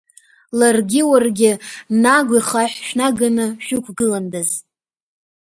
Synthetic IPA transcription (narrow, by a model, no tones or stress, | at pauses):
larɡʲɪwarɡʲɪnaɡʷiχaħʃᶣnaɡanɨʃᶣʊkʷʰɡɨlandaz